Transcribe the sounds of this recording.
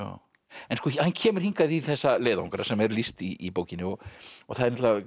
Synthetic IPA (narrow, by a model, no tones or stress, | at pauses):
a̰ | ɛnskɔhancʰɛːmʏɾ̥hiŋkaðiθɛsːaleːða̰wŋkaɾa̰sɛmɛɾlist̪iːpoːwcɪnːɪɔɣɔɣθaðɛɾnɛt̪lava